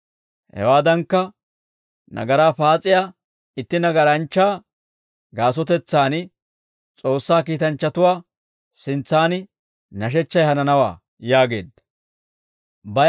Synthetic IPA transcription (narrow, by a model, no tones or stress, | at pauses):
hɛ̰waːd̪ɐŋkːɐ | nʔɐ̰ɡɐɾaːfaːt͡sʼɪjaː | ɪt̪ːɪnɐɡɐɾɐnt͡ʃːaː | ɡaːs̬ɔt̪ɛt͡sːaːnɪ | t͡sʼo̞ːsːaːkiːt̪ɐnt͡ʃːɐt̪ʊwaː | sɪnt͡sːaːnɪ | nɐʃ̬ɛt͡ʃːɐjhɐnɐnɐwa̰ː | jaːɡe̞̰ːd̪ɐ | bɐ